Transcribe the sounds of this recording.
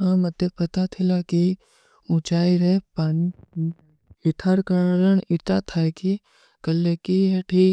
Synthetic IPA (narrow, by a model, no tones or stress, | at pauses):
ɦãmɐd̪ʱjepɐt̪at̪ʰɪlaki | ũt͡ʃaːiɾɛpaːni | ɪt̪ʰaɾkaɾəɽɪt̪at̪ʰaɛki | kəlːekiɦeʈʰi